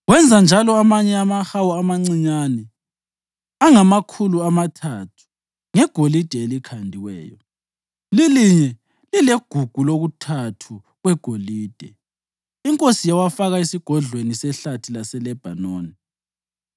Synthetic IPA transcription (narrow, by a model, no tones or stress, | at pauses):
wɛnd͡zʱand͡ʒʱalɔamaɲɛamaxawɔamaŋ͡ǀiɲanɛ | aŋamakʰuluamatʰatʰu̥ | ŋɛɡ̥ʱolid̥ʱɛelikʰandʱiwɛ̰ːjɔ | liliɲɛ | lileɡ̥ʱuɡ̥ʱuloɣutʰatʰu | ɣwɛɡ̥ʱoliːd̥ʱɛ | iŋkʼosijawafaɣaisiɡ̥ʱɔɮwenisɛɬatʰilasɛlɛb̥ʱa̰noːni